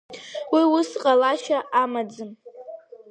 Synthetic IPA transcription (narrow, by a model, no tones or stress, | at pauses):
wiwʊsqʼalaʃaʔamad͡zɨm